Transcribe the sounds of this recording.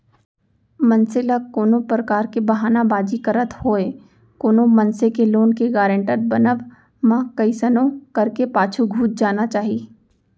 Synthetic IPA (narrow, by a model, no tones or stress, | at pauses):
mɐnsɪlakoːnopɾəkaːɾkebɐɦaːnabaːd͡ʒikəɾət̪hoːe | koːnomɐ̃nsekeloːnkeɡaːɾə̃ɳʈəɾ̚bɐnəʋ | mãkɐɪsənõkɐɾkepaːt͡ʃʰuɡʱuːt͡ʃ̪̚d͡ʒaːnat͡ʃaːɦiː